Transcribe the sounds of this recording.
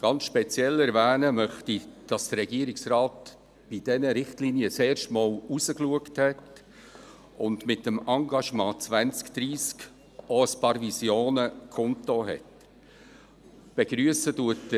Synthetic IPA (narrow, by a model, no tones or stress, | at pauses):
ɡ̥ɑnsʃpɛt͡sjɛlɛɾvæːnəmœχtid̥ɑsd̥əɾɛɡiəɾiksɾɑːt | b̥idɛnəɾɪχtliːniət͡sɛːɾʃtmɑːlusəkluəkthɛt | ʊndmɪtːəmɑŋɡɑʃmɑ̃ːt͡svænt͡skd̥̪ɾiːsk | oəspɑːɾvisjoːnəkʰɔntoɦɛ̰t | b̥ɛɡ̥ɾyəsəduət